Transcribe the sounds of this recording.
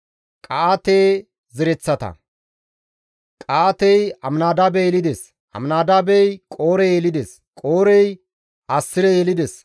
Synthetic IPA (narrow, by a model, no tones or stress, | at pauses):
kʼaat̪eː | zɪɾɛt͡sːɐt̪ɐ̰ | kʼaːt̪ɛjɐmnaːd̪abejɛlɪd̪ɛs | ʔɐ̰mnaːd̪aːbɛjkʼo̞ːɾɛjeːlɪd̪ɛs | kʼoːɾɛj | ʔɐsːɪɾɛjelɪd̪ɛs